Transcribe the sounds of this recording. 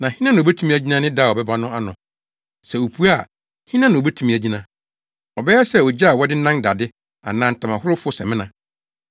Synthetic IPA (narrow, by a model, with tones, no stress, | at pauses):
nã˨hĩ˦nã˦nã˨bɛ˦tʰũ˦mĩ˦æ˨d͡ʑi˦nã˦nɪ̃˦daː˦˨ɔ˨bɛ˦ba˦nʊ̃˦a˦nʊ̃˨ | sɛ˨wo˨pʰu˦a˦˨ | hĩ˦nã˦nɪ̃˨o˨bæ˦tʰu˦mĩ˨æ˨d͡ʑi˦nã˨ | ɔ˨bɛ˦jɛ˦sɛ˦˨ɔ˨d͡ʑa˦a˨wɔ˦dɪ˦n̩˦nã˦nda˨dɪ˦ | a̰˨nãː˦n̩˨tʰã˨mã˨hʊ˦ɾʊ˦fʊ˦sɛ̰̃˨mɪ̃˦nã˨